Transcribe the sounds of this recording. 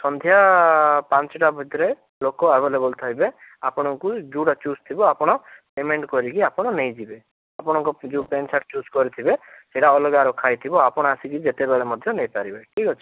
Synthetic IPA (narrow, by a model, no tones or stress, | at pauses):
sɔnd̪ʱjapant͡ʃɔʈabʱɔd̪iɾe | lokɔabelebɔlt̪ʰajbeapɔɽ̃ɔŋkud͡ʒuʈat͡ʃust̪ʰibɔapɔɽ̃ɔpemeɳʈkɔɾikiapɔɽ̃ɔnejd͡ʒibe | apɔɽ̃ɔŋkɔd͡ʒupent͡ʃʰaʈt͡ʃuskɔɾit̪ʰibeseʈaɔlɔɡaɾɔkʰajt̪ʰibɔapɔɽ̃ɔasikid͡ʒet̪ebeɭemɔd̪ʱjɔnejpaɾibeʈʰikɔt͡ʃʰi̥